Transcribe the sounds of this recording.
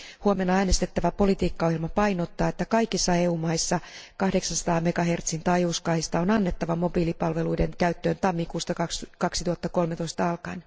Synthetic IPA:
huomenːɑæːnest̪et̪ːæʋæpo̞lit̪iːkːɑohjilmɑpɑinot̪ːɑːet̪ːækɑikisːɑeːuːmɑisːɑkɑhdeksɑnsɑ̥t̪ɑːmekɑɦert̪sint̪ɑjuskɑːhist̪ɑonɑnːet̪ːɑʋɑmobiːlipɑlʋeluidenkæyt̪ːøːnt̪ɑmːikuːst̪ɑkɑkskɑksit̪uhɑt̪ːɑko̞lmet̪oist̪ɑɑlkɑin

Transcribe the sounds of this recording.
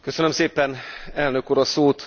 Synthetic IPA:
kø̞sønømseːpɛnɛlnøkuːɾɒsoːt̪

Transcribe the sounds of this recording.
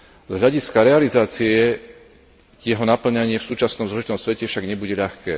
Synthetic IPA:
zɦʎaɟiskaɾɛalizaːt͡siɛ | jɛɦɔnapl̩ɲaɲɪɛfsuːt͡ʃasnɔmzlɔʒit̪ɔmsʋɛcɛfʃaɡɲɛbuɟɛʎaxkɛ̰ː

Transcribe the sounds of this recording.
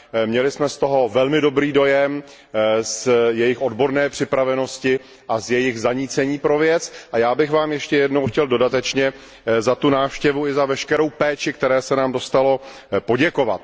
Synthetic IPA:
mɲɛlɪsmɛst̪o̞ɦo̞vɛlmɪdo̞bɾiːdo̞jɛm | sjɛjɪxʔo̞dbo̞ɾnɛːpr̥ɪpɾavɛno̞scɪ | ʔazjɛjɪɣzaɲiːt͡sɛɲiːpɾovjɛt͡sʔajaːbɪɣvaːmjɛʃcɛjɛdnowxcɛldo̞dat̪ɛt͡ʃɲɛ | zat̪unaːfʃcɛvuɪzavɛʃkɛɾo̞wpɛːt͡ʃɪkt̪ɛɾɛːsɛnaːmdo̞st̪alo̞ | po̞ɟɛko̞vat̪̚

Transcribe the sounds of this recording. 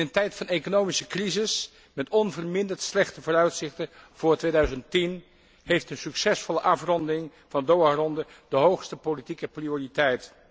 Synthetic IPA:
əntɛjtfɑnejkonowmisəkrizɪs | mɛtɔnvərmɪndəɹtslɛχtəvʊːrœɥtsɪχtəv̥ʊːɹtʋejdœɥzəntin | hejftənsyksɛsfɔləʔɑfrɔndəɪŋvɑndowaːrɔndədəɦowχstəpolitikəprioːritɛjt

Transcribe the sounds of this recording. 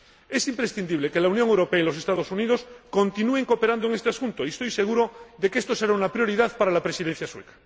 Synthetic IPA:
e̞simpɾesθind̪iβleke̞launjoŋewɾo̞peailo̞sest̪aðo̞suniðo̞skõ̞nt̪inue̞ŋko̞pe̞ɾand̪oeŋest̪easunt̪oiest̪ojse̞ɣ̞uɾo̞ðe̞keest̪o̞se̞ɾaunapɾjo̞ɾið̞aðpaɾalapɾe̞siðen̟θjaswe̞kḁ

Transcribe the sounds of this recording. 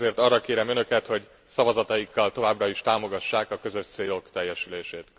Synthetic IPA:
eːrt̪ɒrːɒkeːɾɛmø̞nø̞kɛt̪ho̞ɟ | sɒvɒzɒt̪ɒjikːɒlt̪o̞vaːbrɒiʃt̪aːmo̞ɡɒʃːaːkɒkø̞zø̞ʃt̪seːlo̞kt̪ɛjːɛʃyleːʃeːt̪

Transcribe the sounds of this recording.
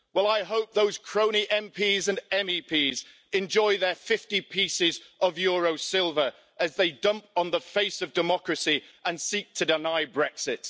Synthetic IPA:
wɛlˠaɪɦoʊp̚ðoʊz̥kʰɹ̥õʊ̃ñiʔɛ̃mpʰiːzə̃nɛ̃mipʰiːz | ɛ̃nd͡ʒɔɪðəfɪftipʰiˑsɪzʔəvjɔːɹoʊsɪlˠvəɹ | ʔəzðeɪdʌ̃mp̚n̩ðəfeɪsəvdɪmɒkɹəsiʔə̃nsiˑk̚tʰədɪnaɪbɹɛksɪt

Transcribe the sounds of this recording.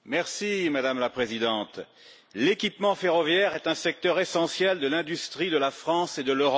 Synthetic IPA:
mɛʁsimad̪amlapχezid̪ɑ̃t̪ | lekʲipmɑ̃feʁɔvjɛʁɛt̪ɛ̃sɛk̚t̪œʁesɑ̃sjɛld̪əlɛ̃d̪yst̪χid̪əlafχɑ̃sed̪əløʁɔ

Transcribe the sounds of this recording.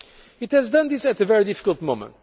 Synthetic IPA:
ɨt̪hɛzdʌ̃nðɪsɨt̪ɨvɛɹidɪfi̥kəlˠt̪̚mõʊ̃mə̰̃nt

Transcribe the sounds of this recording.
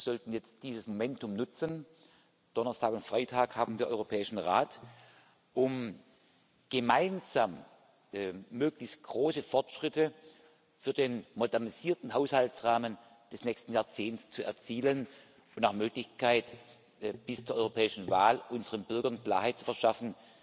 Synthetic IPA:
z̥ɔltn̩jɛt͡st̚d̥iːzəsmomɛntʰʊmnʊt͡sən | d̥ɔnɐstʰaːkʊntfʁ̥aɪtʰaːkhaːbm̩viːɐʔɔ̰ʏʁopʰɛːɪʃn̩ʁaːt | ʔʊm | ɡ̥əmaɪnzaːm | møːklɪçst̚ɡ̥ʁoːsəfɔɐtʃʁ̥ɪtʰə | fyːɐdeːnmodɛɐniz̥iːɐtn̩ɦaʊshaltsʁaːmən | d̥ɛsnɛçstn̩jaːɐt͡seːntt͡st͡suɛ̰ɐt͡siːlən | ʊntnaxmøːklɪçkʰaɪt | b̥ɪst͡suɐʔɔʏʁopʰɛːɪʃn̩vaːlʔʊnzəʁənbʏɐɡɐnkl̥a̰ːɐhaɪt̚t͡su̥fɛɐʃafn̩

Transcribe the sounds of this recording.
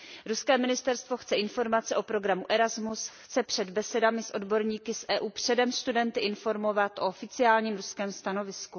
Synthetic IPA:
ɾuskɛːmɪnɪst̪ɛɾst̪voxt͡sɛʔɪnfo̞ɾmat͡sɛʔo̞pɾo̞ɡɾamuʔɛɾazmusxt͡sɛpr̝̥ɛd̪bɛsɛdamɪsʔo̞dbo̞ɾɲiːkɪsʔɛːʔuːpr̝̥ɛdɛmst̪udɛnt̪ɪʔɪnfo̞ɾmo̞vat̪ʔo̞ʔofɪt͡sɪaːlɲiːmɾuskɛːmst̪ano̞vɪsku

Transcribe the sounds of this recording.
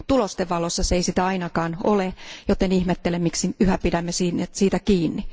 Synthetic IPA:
t̪ulost̪eʋʋɑlosːɑseisit̪æɑinɑkɑːnolejot̪enihmet̪ːelemmiksiyhæpidæmːesiːnesiːt̪ækiːnːi

